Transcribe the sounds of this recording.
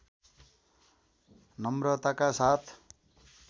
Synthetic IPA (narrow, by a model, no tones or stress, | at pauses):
nʌmrʌt̪akasat̪ʰ